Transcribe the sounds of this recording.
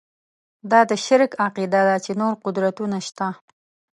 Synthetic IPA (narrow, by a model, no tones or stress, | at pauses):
d̪ɑd̪əʃɪɾkaqid̪ad̪at͡ʃenoɾqʊd̪ɾat̪unaʃt̪a